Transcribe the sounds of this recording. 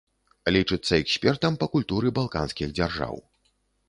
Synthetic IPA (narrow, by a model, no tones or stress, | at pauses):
lʲit͡ʂɨt̪sːɐɛksʲpʲɛrt̪ɐmpɐkulʲt̪uɾɨbalˠka̰nskʲiɣd͡zʲarʐa̰w